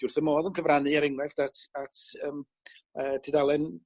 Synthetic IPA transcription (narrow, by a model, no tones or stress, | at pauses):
d̥ʊrθəmoːðənkʰəvranɨaɾɪŋrɛfd̥atʰatʰəːm | ədʰidalˠɛn